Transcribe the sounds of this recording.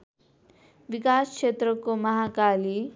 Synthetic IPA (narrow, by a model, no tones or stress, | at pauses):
ʋikaskʂet̪ɾəkomɐɦakali